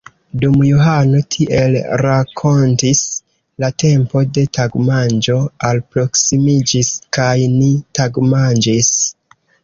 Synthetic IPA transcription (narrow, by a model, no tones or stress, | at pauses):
dumjoɦano̞tʰiʔe̞lɾakʰo̞ntis | late̞mpo̞de̞taɡmand͡ʒo̞alpɾo̞ksimid͡ʒiskajnitaɡmand͡ʒis